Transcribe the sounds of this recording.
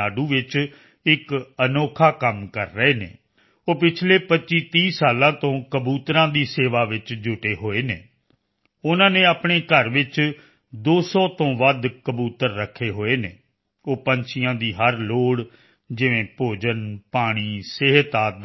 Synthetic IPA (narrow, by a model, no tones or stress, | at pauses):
aːɖuːʋɪt͡ʃ | ɪkənoːkʰaːkəmkəɾːəeːnḛː | oːpɪt͡ʃʰleːpətːt͡ʃiːt̪iːsaːlãːt̪õːkəbuːt̪ɾãːd̪iːseːʋaːʋɪt͡ʃd͡ʒʊʈeːɦoːeːneː | ʊnãːnẽːaːpɳ̃eːkəɾʋɪt͡ʃ | d̪oːsɔːt̪õːʋəd̪kəbuːt̪əɾːəkʰːeːɦoːeːneː | oːpəɲt͡ʃʰɪjãːd̪iːɦəɾloːɽ | d͡ʒɪʋẽːpoːd͡ʒənpaːɽ̃iːseɦət̪aː